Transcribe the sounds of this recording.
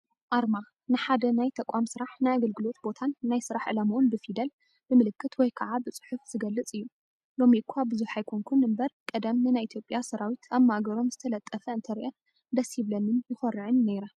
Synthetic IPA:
ʔaɾma | nɨħad̪ɐnajt̪ʰɐkʷʼamsɨɾaħnajaɡɐlɡɨlo̞t̪bo̞t̪ʰanːajsɨɾaħʕɨlamuʔunbɨfid̪ɐl | bɨmɨlɨkʰːɨt̪wɔjkʰɐʕabɨt͡sʼɨ̥ħufz̥ɨɡɐlːɨt͡sʼɨjːu | lo̞mikʰuabɨzuħajkʰoŋkʰunɨmbɐɾkʼɐd̪ɐmnɨnajʔit̪ʰjo̞pʼjasɐɾawit̪ʰaβmːaɡɐɾo̞mzɨt̪ʰɐlɐt̪ʼːɐfɐɨnt̪ʰɐɾiʔɐ | d̪ɐshiβlɐnɨnjɪxɐɾːɨʕɨnːeɾa

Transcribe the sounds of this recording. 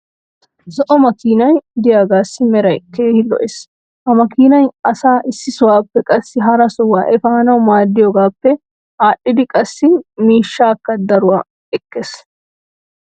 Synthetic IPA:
zɔʔɔmɐkiːnɐjd̪ɪjaːɡaːsːɪmɛɾɐjkeːhɪlɔ̰ʔeːs | hɐmɐkiːnɐjɐsaːʔɪsːɪsʊwaːpːɛkʼɐsːɪɦɐɾɐsɔwːaːʔɛfaːnɐwmaːd̪ːɪjɔɡaːpːɛ | haːɗːɪd̪ɪkʼɐsːɪmiːʃːaːkːɐd̪ɐɾʊwaː | ɛkːes

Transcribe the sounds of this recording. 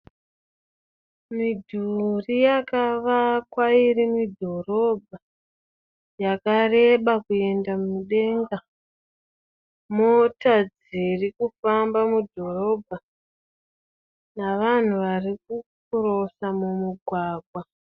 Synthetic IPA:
midʱurijakaʋakwaiɾimidʱo̞ro̞bʱa | jakare̞ɓakue̞ndamumuɗe̞ŋɡa | motad͡z | irikufambamudʱo̞ro̞bʱa | naʋan̤uʋarik̚uk | uro̞samumuɡʱwaːɡʱwa

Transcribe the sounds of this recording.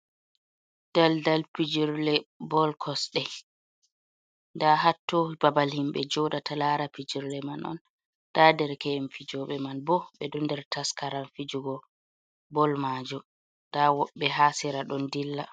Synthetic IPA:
d̥aldalpid͡ʒiɾlɛbɔlkʰɔsɗɛ | ndaɦatːohibabalhimɓɛ̰d͡ʒɔdatʰalaɾapid͡ʒiɾlɛmanɔ̰n | tadɛɾkɛmfid͡ʒɔɓɛmanbɔɓɛɗɔndɛɾtaskaɾanfid͡ʒuɡɔ | bɔlmad͡ʒɔ | d̥awɔɓːɛɦaːsiɾaɗɔndilːa

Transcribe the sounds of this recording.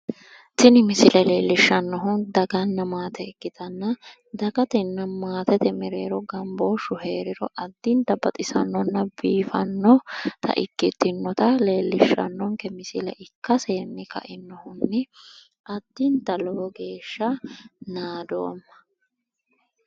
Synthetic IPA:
t̪ɪnɪmɪsɪlɐleːlːɪʃːɐnːɔɦʊnd̪ɐɡɐnːɐmaːt̪ɛɪɡːɪt̪ɐnːɐ | d̪ɐɡɐt̪ɛnːɐmaːt̪ɛt̪ɛmɛɾeːɾɔɡɐmboːʃʊheːɾɪɾɔʔɐd̪ːɪnt̪ɐbɐt̪ʼɪsɐ̰nːɔnːɐbiːfɐnːɔt̪ʰɐ̰ʔɪkːɪt̪ːɪnːɔt̪ɐle̞ːlːɪʃɐ̰nːɔŋkɛmɪsɪlɐʔɪkːɐseːnːɪkʰɐ̰ʔɪnːɔhʊnːɛ | ɐd̪ːɪnt̪ɐlɔːɡe̞ːʃːɐnaːd̪o̞̰ːmːɐ

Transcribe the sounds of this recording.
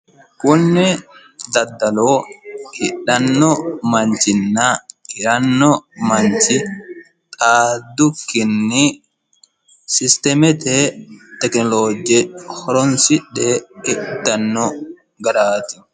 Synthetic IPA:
kʊnːɪ | d̪ɐd̪ːɐloːhɪɗːɐnːɔmɐɲt͡ʃɪnːaɪɾɐnːɔmɐɲt͡ʃɪ | t̪ʼaːd̪ʊkːɪnːɪ | sɪst̪ɛmɛt̪et̪ɛknɔloːd͡ʒɛhɔɾɔnsɪɗːeɪd̪ɐnːɔ | ɡɐɾaːt̪ɪ̥

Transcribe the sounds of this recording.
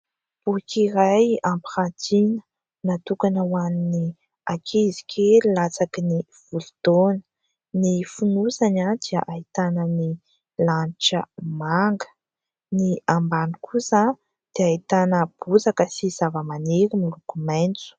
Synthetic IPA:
b̥ukʲiɾajampiχant̪inə̥ | nat̪ukanəwanini | akʰezi̥kʲʰellat͡sakini | v̥uld̪̥onə̥ | nifunuzanad̪̥iəʔait̪anəni | lanʈ͡ʂəmaŋɡə̥ | niambanikʰusa | d̪̥eait̪anəb̥uzakəsizavəmaneɾimilukumant͡su̥

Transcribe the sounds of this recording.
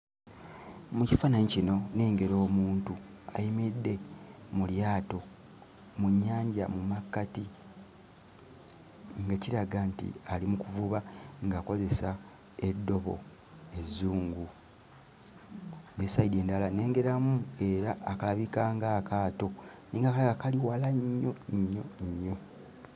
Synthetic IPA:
mucifanaɲicino̞ne̞ːŋɡe̞ɾo̞ːmuːntua̰jimidːe̞muljaːto̞ | muɲːaːɲɟa̰mumakːati | ŋɡaciɾaɡantḭalimukuvuβaŋɡako̞ze̞sa | edːo̞βo̞̰ | e̞zuːŋɡu | nesaide̞ːndalane̞ːŋɡe̞ɾamue̞ɾaːkalaβikaːŋɡaːkaːto̞niːŋɡakalaɡakaliwalaɲːo̞ɲːo̞ɲːo̞

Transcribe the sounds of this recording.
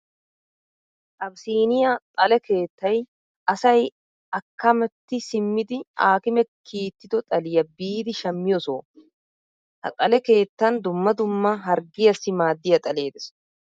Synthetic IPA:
ʔɐbsiːnɪjɐt̪ʼɐlɛke̞ːt̪ːɐj | ʔɐsɐj | ɐkːɐmɛt̪ːɪsɪmːɪd̪ɪaːkɪmɛkʰiːt̪ːɪd̪ɔt̪ʼɐlɪjɐbiːd̪ɪʃɐmːɪjɔso̰ː | hɐ̰t̪ʼɐlɛke̞ːt̪ːɐnd̪ʊmːɐd̪ʊmːɐɦɐɾɡɪjɐsːɪmaːd̪ːɪjɐt̪ʼɐle̞ːd̪ɛs

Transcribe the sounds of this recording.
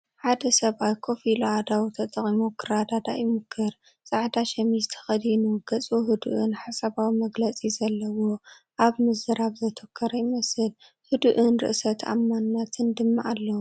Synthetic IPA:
ħad̪ɐsɐβʔawkʰo̞filad̪awt̪ʰɐt̪ʼɐχʼimokʰɨɾad̪ad̪ajɪmɨkʰːɨɾ | t͡sʼaʕd̪aʃɐmizt̪ʰɐ̥xɐd̪inuɡ̥ɐt͡sʼuɦɨd̪uʔunħasɐβawimɐɡlɐt͡sʼizɐlːɐwo | ʔaβmɨzɨɾaβzɐt̪ʰokʰːɐɾɐjɪmɐsɨl | hɨd̪uʔɨnɾɨ̰ʔsɐt̪ʰa̰mːanːat̪ʰɨnd̪ɨmːaʔalːɐwu

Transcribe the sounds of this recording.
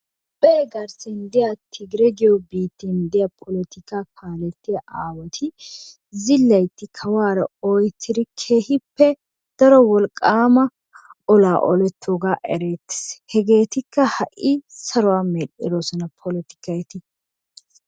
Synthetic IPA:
b̥ɛːɡɐɾsɛnd̪ɪjat̪ʰɪɡɾɛɡɪjɔbiːt̪ːɪnd̪ɪjɐpʰɔlɛt̪ɪkakʰaːlɛt̪ːɪjɐʔaːwɔt̪ʰɪ | zɪlːɐjt̪ːɪkʰɐwaːɾɐɔjt̪ʰːɪd̪ɪkʰe̞ːhɪpːɛ | d̪̥ɐɾɔwɔlkʼːaːmɐ | ɔlaːʔɔ̰lɛt̪ːoːɡaːʔɛɾeːt̪ːɪ̥shɛɡe̞ːt̪ɪkːɐhɐʔisɐɾʊwaːmɛlɪɾoːsɔnɐpʰɔlɛt̪ɪ̥kːɐjt̪ɪ

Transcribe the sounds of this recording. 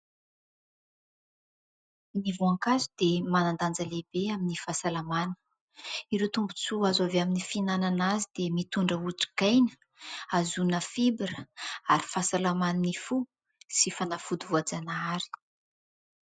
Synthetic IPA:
nivuaŋkazud̪emanand̪and͡zəlebeaminifasalamanə̥ | iɾewt̪umbu̥t͡suazaveaminifinananazid̪emit̪uɳɖ͡ʐəuʈ͡ʂi̥ɡajnə̥ | azunəfibɾəaɾifasalamaninifu | sifanafud̪ivuad͡zanaaɾi̥

